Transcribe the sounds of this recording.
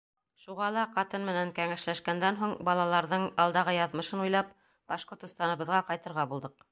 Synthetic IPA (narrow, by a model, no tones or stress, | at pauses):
ʃuʁɑlˠɑqɑt̪ɤnmɘ̆næŋkæŋæʃlæʃkænd̪ænɦuɴbɑlˠɑlˠɑɾðɤɴɑlˠd̪ɑʁɤjɑðmɤ̆ʃɤnujlˠɑp | b̥ɑʃqŏɾt̪ɤ̆st̪ɑnɤ̆βɤ̆ðʁɑqɑjt̪ɤ̆ɾʁɑbulˠd̪ɤq̚